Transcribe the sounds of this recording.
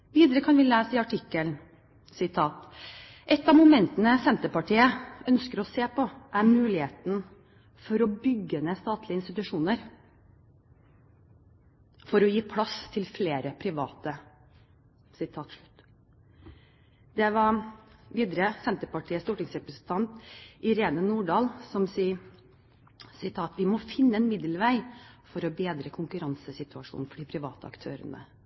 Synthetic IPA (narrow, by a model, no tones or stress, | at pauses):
ʋiːd̪əɾəkʰɑnʋɪlæːsɪɑʈʰɪkːəln | sɪt̪ʰɑːt̪ | ʔɛt̪ːɑmʊmɛnt̪ənəsɛnt̪əpɑʈiːəœnskəɾɔseːpʰɔʔæɾmʉːlɪheːt̪n | fɔɾɔbʏɡːəneːst̪ɑːt̪ʰlɪəɪnst̪ɪt̪ʉʂuːnəɾ | fɔɾɔjiːpʰlɑst̪ʰɪlfleːɾəpʰɾɪʋɑ̰ːt̪ə | sɪt̪ʰɑːt̪ʂɭʉt̪ː | d̪ɛʋɑʋiːd̪əɾəsɛnt̪əpɑʈʰiːəst̪uːʈɪŋsɾɛpɾəsn̩t̪ʰɑnt̪ʔɪɾeːd̪ənuːɖɑːlsɔmsi | sɪt̪ʰɑːt̪ʋɪmɔfɪnːəɛnmɪd̪əlʋæɪfɔɾɔbeːd̪ɾəkʰʊŋkʉɾɑnsəsɪt̪ʉɑʂṵːnn̩fɔɖɪpʰɾɪʋɑ̰ːt̪əɑ̰kt̪ʰø̰ːɾə̰nə̰